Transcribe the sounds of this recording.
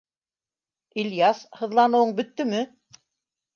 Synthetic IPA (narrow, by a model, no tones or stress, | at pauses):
ilʲjashɤ̆ðlˠɑnɤ̆wɤɴbɵ̆t̪ːɵmɘ